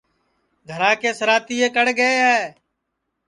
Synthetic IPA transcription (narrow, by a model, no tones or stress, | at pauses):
ɡʱəɾãːkeːsəɾaːt̪iːeːkəɽɡəeːɦɛː